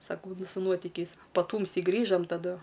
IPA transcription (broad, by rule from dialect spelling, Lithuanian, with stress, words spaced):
sɐˈkɐʊ sʊ ˈnuɔtʲɪkʲɛɪs pɐˈtuːmʲsʲɪ ˈɡrʲiːʒɐm tɐˈdʊ